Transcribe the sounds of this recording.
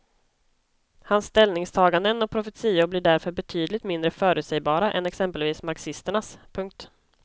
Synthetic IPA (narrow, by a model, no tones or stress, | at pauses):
hansːt̪ɛlnɪŋst̪ʰɑːɡand̪ənɔk̚pʰɾʊfɛt̪siːʊblɪːɖæɾfœɾbɛt̪ʰyːd̪lɪɡ̚t̪mɪnd̪ɾəfœːɾʉt̪sɛjbɑːɾaʔɛ̰nɛksɛmpəlviːsmaɾksɪst̪əɳaspʰɵŋk̚t̪